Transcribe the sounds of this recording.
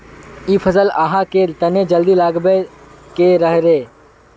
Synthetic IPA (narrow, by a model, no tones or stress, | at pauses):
iːpʰəzəlaːɦaket̪ɐned͡ʒəld̪ilaːɡbe | keɾəɦɾeː